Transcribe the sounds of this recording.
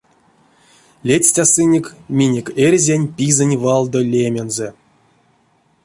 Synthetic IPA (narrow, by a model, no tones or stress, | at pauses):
lʲetʲsʲtʲasɨnʲekʲmʲinʲekʲerʲzʲanʲpʲizɨnʲvɑlˠd̪olʲemʲenzɛ